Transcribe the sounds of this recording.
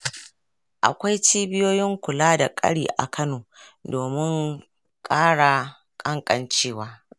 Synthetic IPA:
ʔa̰˨kʷa˦jt͡ʃiː˦bɪ˦joː˦jɪ˦ŋkʷʊ˨laː˦da˨kʼɐ̰˦ɽiː˨ʔa̰˨kʰɐ˦noː˨doː˨mɪ˦ŋ | kʼaː˦ɽa˨ | kʼɐ˦ŋkʼɐ̰˨nt͡ʃeː˦waː˦

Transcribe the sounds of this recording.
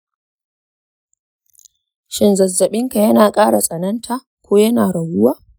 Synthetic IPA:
ʃɪ˨nzɐ˨zːɐ˨ɓɪ˦ŋka˨jɐ˦naː˨kʼaː˦ɽa˨sʼɐ˨nɐ˦ntʰa˨ | kʷoː˦jɐ˦naː˨ɽɐ˨wʊ˦waː˦

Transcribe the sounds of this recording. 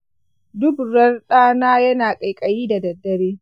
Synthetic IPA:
dʊ˦bɽɐ˦rɗaː˦naː˦jɐ˦naː˨kʼɐ˨jkʼɐ˨jiː˦da˨dɐ˨dːɐ˨ɽeː˦

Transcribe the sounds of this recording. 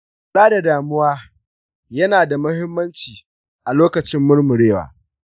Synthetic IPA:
saː˦da˨daː˨mʊ˦waː˦ | jɐ˦naː˨da˨mʊ˦hɪ˦mːɐ˦nt͡ʃiː˨ | ʔa˨loː˦kɐ˨t͡ʃɪ˦mːʊ˦rmʊ˨ɽeː˦wa̰ː˨

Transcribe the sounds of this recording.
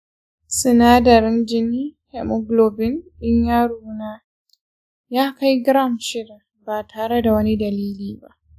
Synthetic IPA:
sɪ˨naː˦dɐ˨ɾɪ˦nd͡ʒɪ˦niː˦hɛ˨mʊ˦ɡloː˨bɪ˦nɗɪ˦ɲjaː˦ɾuː˦naː˦ | jaː˦ka˦jɡɾa˦˨mʃɪ˦da˨ | ba˨tʰaː˨ɾe˦da˨wɐ˦ni˦dɐ˨liː˦liː˦ba˦ʔ

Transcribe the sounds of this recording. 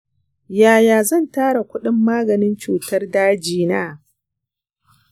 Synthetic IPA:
jaː˨jaː˨zɐ˦˨ntaː˦ɽa˨kʷʊ˦ɗɪ˦mːaː˦ɡɐ˨nɪ˦nt͡ʃuː˨tɐ˦rdaː˦d͡ʒiː˦˨na̰ː˦

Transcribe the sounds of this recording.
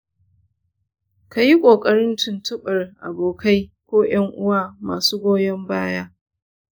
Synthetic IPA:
ka˨ji˦kʷʼoː˨kʼɐ˦ɾɪ˦ntʊ˨ntʊ˦ɓɐ˨rʔa̰˨boː˨kʰa˦jkʷoː˦j̰ɐ˦ŋʔʊ˦waː˦maː˨suː˦ɡʷoː˦jɛ˦mbaː˦jaː˦

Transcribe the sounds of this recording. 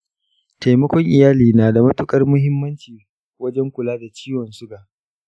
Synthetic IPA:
ta˨jmɐ˦kʷɔ˦ŋʔɪ˨jaː˦liː˨naː˨da˨mɐ˦tʊ˦kʼɐ˦rmʊ˦ɦɪ˦mːɐ˦nt͡ʃiː˨ | wɐ˦d͡ʒɛ˦ŋkʷʊ˨laː˦da˨t͡ʃiː˦wɔ˨nsʊ˦ɡaː˨ʔ

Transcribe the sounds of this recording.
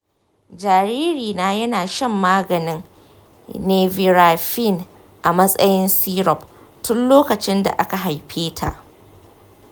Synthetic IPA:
d͡ʒaː˨ɾiː˦ɾiː˨naː˦jɐ˦naː˨ʃɐ˦mːaː˦ɡɐ˨nɪ˦ŋ | neː˦vi˨ɾaː˨ɸi˦˨n | ʔa˨mɐ˦sʼɐ˦jɪ˦nsiː˦ɾɔ˨p̚ | tʊ˦nloː˦kɐ˨t͡ʃɪ˦nda̰˨ʔa˦ka˨ɦa˨jɸʰeː˦tʰa̰˨ʔ

